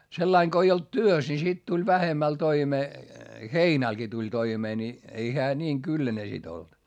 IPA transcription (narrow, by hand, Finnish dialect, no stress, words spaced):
selːɑiŋ ko ei olt tyøs ni sit tulʲ ʋæhemæl toimeː heinælɡ̊i tulʲ toimeː ni ei heæ niːŋ kylːæne sit olt